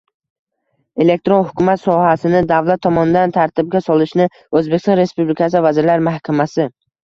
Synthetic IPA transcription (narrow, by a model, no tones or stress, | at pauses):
e̞le̞k̚ʲt̪ɾonhʊkʰʲʊmat̪sɒhasɪnɪd̪avlat̪ʰːɒmɒnɪd̪ant̪ʰaɾt̪ʰɪb̚ɡʲasɒlˠɪʃnɪ | ɵzbekʲst̪ɒnɾe̞spublɪkʰʲasɪvazɪɾlaɾmahkʲʰamasɪ